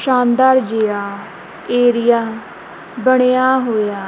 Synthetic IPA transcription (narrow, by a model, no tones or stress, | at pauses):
ʃaːnd̪aːɾd͡ʒeːaː | eːɾɪjaː | bəɽ̃ejaːɦoːjaː